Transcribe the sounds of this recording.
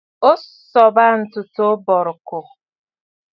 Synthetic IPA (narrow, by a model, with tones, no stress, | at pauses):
o˦sɔ˨ba˦n̩˨tʊ˨to˦bɔ˨ɾʊ˨kʊ˨